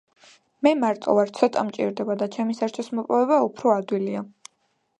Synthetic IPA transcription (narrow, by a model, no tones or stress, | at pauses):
mɛmaɾt̪ʼɔ̰vaɾt̪sʰɔt̪ʼamt͡ʃʼḭɾd̪ɛbad̪at͡ʃʰɛmisaɾt͡ʃʰɔsmɔpʼɔvɛbaupʰɾɔad̪wilia